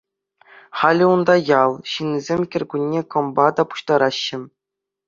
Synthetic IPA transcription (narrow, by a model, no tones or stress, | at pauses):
χɑlʲɘ̆und̪ɑjɑlˠɕinʲːizʲemʲkʲɘ̆rʲɡʲunʲːekɤ̆mbɑd̪ɑpu̥ɕt̪ɑɾɑɕːɘ̆